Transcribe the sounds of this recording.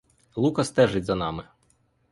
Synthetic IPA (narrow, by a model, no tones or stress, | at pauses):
lˠukɐst̪ɛʒɪdʲzɐnɑmɪ